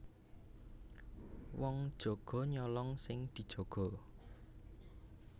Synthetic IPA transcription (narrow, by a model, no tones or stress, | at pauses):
wɔŋd̥ʒ̥o̤ɡ̥ɔ̤ɲɔlɔŋsɪŋd̪̥i̤d̥ʒ̥o̤ɡ̥ɔ̤